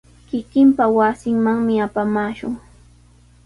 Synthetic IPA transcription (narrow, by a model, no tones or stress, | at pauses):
kɪkɪmpawasɪŋmaŋmɪapamaːʃʊŋ